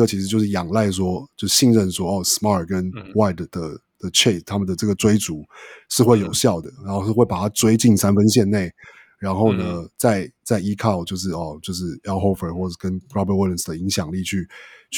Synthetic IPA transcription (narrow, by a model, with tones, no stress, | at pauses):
ə˧t͡ɕʰi˧˥ʂɻ̩˧t͡ɕjo˥˧ʂɻ̩˥˩jɑ˨˩ŋla˥˧˩ɪs̬wɔ˥t͡ɕjo˥˧ʊʂɻ̩˧˩ɕi˥˧nɻə˥˧nʂwɔ˥ɔ˨˩smɑ˥˩kə˦nwa˥˩ɪd̪d̪̥ə˩ | d̪̥ə˩t͡ɕʰe˥˩t̪ʰa˥mə˨nd̪ə˩ʈ͡ʂɤ˥˩ɡə˩t͡swe˥ɪt͡su˨˦ʂɻ̩˥˧xwe˥˩ɪjo˨˩ʊɕjɑ˥˩ʊd̪ə˩ɻa˧˦nxo˥˧ʊʂ̩˥˧xwe˥˩ɪpa˨˩t̪ʰa˥t͡swe˥ɪt͡ɕi˥˩nsa˥nfə˦nɕjɛ˥˧nne˥˩ɪ | ɻa˧˥nxo˥˩ʊnə˩t͡sa˥˩ɪt͡sa˥˩ɪi˥kʰa˥˩ʊt͡ɕjo˥˧ʊʂ̬ɻ̩˥˩ɔ˨˩t͡ɕjo˥˧ʊʂ̬ɻ̩˥˩a˥ʊxo˥˧ʊfə˨˩xwɔ˥˩ʈ͡ʂə˨˩kə˦nɹɔ˥bə˧twi˥lə˨˩sd̪ə˩i˧˦ŋɕjɑ˨˩ŋli˥˨t͡ɕʰy˥˧